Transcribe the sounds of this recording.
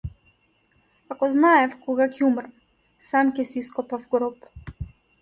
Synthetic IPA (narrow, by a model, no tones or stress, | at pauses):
akɔznaɛfkɔɡacɛumɾam | samcɛsiskɔpavɡɾɔp